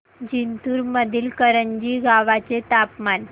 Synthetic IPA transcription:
d͡ʑint̪uːɾməd̪ʱiːlkəɾəɲd͡ʑiːɡaʋat͡set̪apman

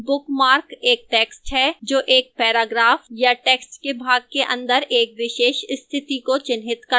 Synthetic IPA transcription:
bʊkmaːɾkeːk̚ʈeːksʈɦɛd͡ʒoːʔeːk̚pɛːɾaːɡɾaːfjaʈeːksʈkebʱaːɡ̚keʔɐ̰̃nd̪əɾeːkʋɪʃeːʃst̪ʰɪt̪ikot͡ʃɪnɦɪt̪kɐ

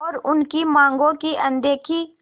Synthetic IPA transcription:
ɔːɾʊnkimãːŋɡõkiʔɐ̃nd̪eːkʰi

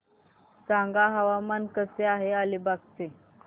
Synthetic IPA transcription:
t͡sãŋɡaɦəʋamankəseaɦealibaɡt͡se

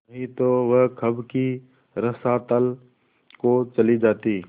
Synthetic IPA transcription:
ɦĩt̪oʋəɦkʰəbki | ɾəsat̪əl | kot͡ʃɐlid͡ʒaːt̪iː

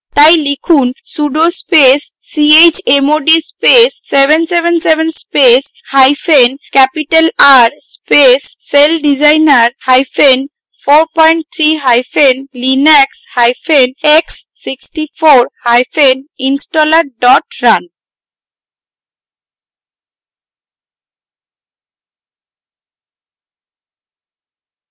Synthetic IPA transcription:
t̪ajlikʰunsuɖospesːiet͡ɕemoɖispesːebensebensebʱenspeshajfʰenkɛpiʈelaɾspesːelɖid͡ʑajnaɾhajfʰen | foɾpɔjɳʈ̚t̪ʰɾiɦajfʰenlinekshajpʰeneksːiksʈifʰoɾhajpʰeninsʈɔlaɾ̚ɖɔʈɾan

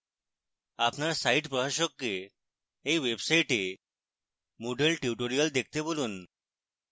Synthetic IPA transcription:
apnaɾsaiʈpəɦəɕɔkːe | eʋebsaiʈe | moɖelʈiʈoɾijəld̪ekʰt̪eboluːn

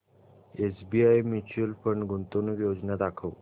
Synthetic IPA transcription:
esbiajmit͡ɕuəlfəɳɖɡʱunt̪onujod͡ʑnad̪akʰəw

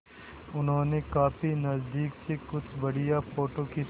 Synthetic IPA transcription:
ʊnɦõːnekaːpʰinɐzd̪iːksekʊt͡ʃʰbɐɽijapʰoːʈoki

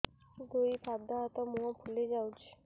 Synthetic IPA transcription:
d̪ujpʰab̚d̪aɔt̪ɔmũɔpʰuled͡ʒawt͡ʃʰi̥

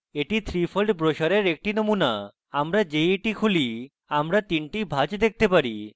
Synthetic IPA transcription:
eʈit̪ʰɾifʰolɖbɾoʃaɾeɾek̚ʈinomuna | amɾad͡ʑeeʈikʰuli | amɾat̪inʈibʱad͡ʑd̪ek̚t̪epaɾi

